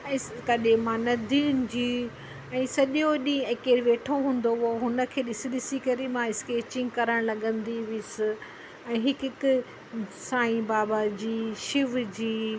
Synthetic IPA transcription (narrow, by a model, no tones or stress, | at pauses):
ɛ̃skɐɗẽmãːnɐd̪ʱiʊnɪ̆d͡ʑiː | ɛ̃ːsɐʄjoɗĩekeʋeːʈʰoɦũːn̆d̪ooɦʊnə̆kʰeːɗɪsɪɗɪsikɐɾemãɪskeːt͡ɕɪ̃ŋɡkɐɾəɽ̃lɐɠə̃nd̪iʋɪsɪ | ɛ̃ːɦɪkɪk | saːĩbaːbad͡ʑiːʃɪʋd͡ʑiː